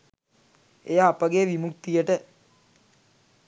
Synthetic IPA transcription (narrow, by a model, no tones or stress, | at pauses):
ejaːpəɡeʋimuk̚t̪ijəʈə